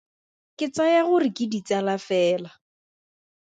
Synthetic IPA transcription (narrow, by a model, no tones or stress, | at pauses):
kʼɪt͡sajaɣʊrɪkʼɪdit͡salafɛːla